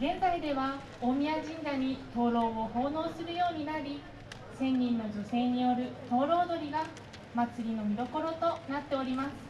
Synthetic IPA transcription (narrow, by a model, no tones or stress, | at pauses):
ɡẽ̞nzaid̪e̞βa | omʲiaʑĩŋɡaɲ̟it̪o̞ːɾo̞ːoho̞ːno̞ːsɨɾɯ̟jo̞ːɲ̟inaɾʲi | sẽ̞ɲːĩnːo̞d͡ʑo̞se̞ːɲ̟ijo̞ɾɯ̟t̪o̞ːɾo̞ːd̪o̞ɾʲiɡa | mat͡sɨɾʲino̞mʲid̪o̞ko̞ɾo̞t̪o̞nat̪ːe̞o̞ɾʲimasɨ̥